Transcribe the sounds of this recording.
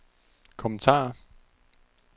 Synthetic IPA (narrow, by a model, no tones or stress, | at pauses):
kʰɔmənt͡sʰɑ̰̈ː